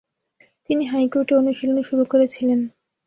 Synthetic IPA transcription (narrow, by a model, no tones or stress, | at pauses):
t̪iniɦajkoɾʈeonuʃiloneʃuɾukoɾet͡ɕʰilen